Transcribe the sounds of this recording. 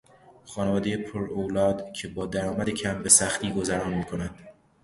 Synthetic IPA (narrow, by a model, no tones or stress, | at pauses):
χɒːnevɒːd̪ejepʰoɾoːlɒːd̪cʰe̞bɒːd̪æɾɒːmæd̪e̞cʰæmbe̞sæxt̪iːɡo̞zæɾɒːnmiːkʰo̞næd̪̥